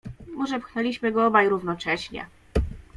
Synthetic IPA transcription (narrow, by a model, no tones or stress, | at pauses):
mɔʐɛpxnɛlʲiɕmɘɡɔɔbajɾuvnɔt͡ʂɛɕɲɛ̰